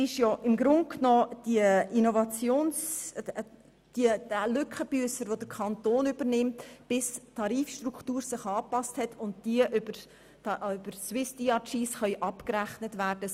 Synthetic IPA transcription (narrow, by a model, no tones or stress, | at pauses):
ɪʃjɔʔɪmɡɾʊnt̚knɔːd̥iəinɔvɑt͡sjoːns | d̥idælʏkχəb̥yəsəɾʋod̥əɾkʰɑnt̪oːnyb̥əɾnɪmtb̥ɪstʰːɑɾiːfʃtruktuːɾsɪχɑːpɑsthɛtʰʊnt̚d̥iəʔybəɾ | ʏb̥əɾswɪsd̥iɑt͡ʃiːsχœʏʔɑpkɾæχnətʋæːɾd̥ə